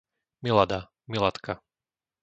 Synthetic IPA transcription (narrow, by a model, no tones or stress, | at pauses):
milad̪a | milat̪kʰa